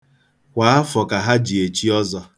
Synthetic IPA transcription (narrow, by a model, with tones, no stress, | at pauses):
kʷa˨a˦fɔ˨ka˨ɦa˦d͡ʒi˨e˨t͡ʃi˦ɔ˦zɔ˦